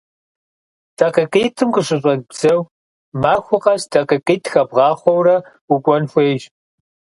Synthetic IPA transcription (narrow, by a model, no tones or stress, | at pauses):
d̥ʰɐqɨqʼiːtʰɨmqəɕɨɕʼɐbz̥ɐw | maːxʷʊqʼɐstʰɐqɨqʼiːtʰxɐbʁɑːχʷɔwrɐ | ukʷʼɔnfʷeːʒ